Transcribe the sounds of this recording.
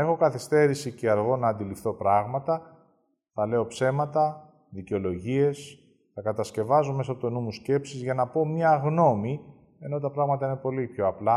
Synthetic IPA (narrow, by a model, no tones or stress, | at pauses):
e̞xo̞kɐθist̪e̞ɾisiceɐɾɣo̞nɐːnd̪ilifθo̞pɾɐɣmɐt̪ɐ | θɐle̞o̞pse̞mɐt̪ɐ | ðiceo̞lo̞ʝie̞s | θɐkɐt̪ɐsce̞vɐzome̞soɐpot̪onumusce̞psizʝɐnɐpo̞mɲɐɣno̞mi | e̞no̞t̪̬ɐpɾɐɣmɐt̪ɐine̞po̞lipço̞ɐplɐ